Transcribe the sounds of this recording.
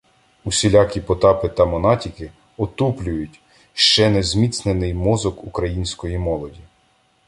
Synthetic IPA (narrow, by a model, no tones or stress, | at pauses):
usʲilʲɑkʲipɔt̪ɑpɪt̪ɐmɔnɑtʲikɪ | ɔt̪uplʲʊjʊtʲ | ʃt͡ʃɛnezmʲit̪snenɪjmɔzɔkukɾɐjinʲsʲkɔjimɔlˠɔdʲi